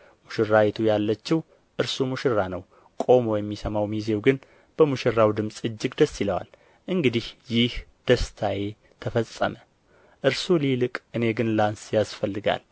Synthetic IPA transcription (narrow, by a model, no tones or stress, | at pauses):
muʃɪrːawet̪ʰujalːət͡ʃːɪw | ʔɨɾsumuʃɪrːanəw | kʼo̞mojɛmːisəmawmize̞wɡɨn | b̥əmuʃɪrːawd̪ɨmsʼɨd͡ʒːɪɡd̪əsːiləwa̰l | ʔɨŋɡɨd̪ihjɪhd̪̥əst̪ʰaje̞ | t̪ʰəfəsʼːə̰mə | ʔɨɾsulilɨkʼʔɨne̞ɡɨnlansjasfəlːɨɡa̰l